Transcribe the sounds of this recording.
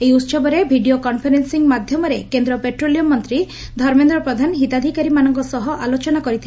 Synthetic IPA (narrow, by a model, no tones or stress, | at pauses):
eiut̪sɔbɔɾebʱiɖiokɔnpʰeɾensiŋmad̪ʱjɔmɔɾekend̪ɾɔpeʈɾolijɔmɔnt̪ɾi | d̪ʱɔɾmend̪ɾɔpɾɔd̪ʱanɦit̪ad̪ʱikaɾimanɔŋkɔsɔɦɔʔalot͡ʃɔnakɔɾit̪ʰil